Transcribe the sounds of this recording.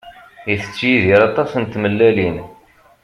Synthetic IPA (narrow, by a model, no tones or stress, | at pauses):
iθə̥t͡sːjiðiɾɑt̪ˤɑsənt̪ːməlːælin